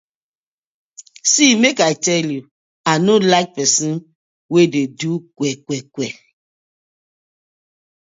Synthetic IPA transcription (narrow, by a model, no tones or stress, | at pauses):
simekatɛlu | anolaɪk̚pɛsĩn | wededukwɛkwɛkwɛ